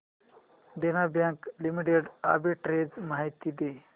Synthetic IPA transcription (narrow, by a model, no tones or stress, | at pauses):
d̪enabjãŋklimiʈeɽa̰biʈɾed͡zmaɦjt̪id̪e